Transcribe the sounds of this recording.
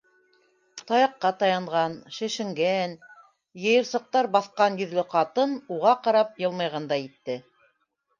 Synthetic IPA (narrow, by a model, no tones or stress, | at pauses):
t̪ɑjɑqːɑt̪ɑjɑɴʁɑnʃɘ̆ʃɘ̆ŋɡæn | jɤ̆jɤ̆ɾsɤ̆q̚t̪ɑɾbɑθqɑnjɵ̆ðlɘqɑt̪ɤnuʁɑqɑɾɑp̚jɤ̆lˠmɑjʁɑnd̪ɑjit̪ːɘ